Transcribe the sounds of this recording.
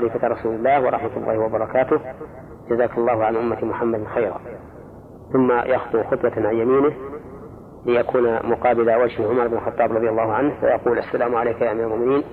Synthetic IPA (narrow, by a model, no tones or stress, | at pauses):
aliːfat̪ɾˤɑsuːlɪlːaːhwɑ̰ɾˤɑ̰ħmat̪lːɑ̰ːhɪwɑbɑɾˤɑkaːt̪ʊh | d͡ʒazaːkɑlˤːɑːhʊʕanʔʊmːat̪mʊħamːad̪nxajɾɑ̰ | θʊmːajʔɑxt̪ˤuxʊt̪ˤwɑʕanjamiːnɪh | lɪjakuːnamʊqɑːbɪlawad͡ʒhɪʕʊmɑɾˤɪbnɪlxɑt̪ˤːɑːbɾˤɑðˤjalˤːɑːhʊʕanhwa̰jɑquːlʔasːalaːmʕalejkjaʔʕmiːɾalmʊʔmɪniːn